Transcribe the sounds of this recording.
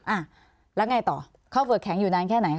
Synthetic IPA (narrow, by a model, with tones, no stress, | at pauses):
ʔaː˧˩ | lɛ˦˥wŋaː˧jt̪ɔ̰ː˨˩ | kʰa˧˥˩wfɯː˨˧˩kʰːɛ˩˦ŋjuː˨˩naː˧nkʰɛː˥˩na˨˩˦jkʰ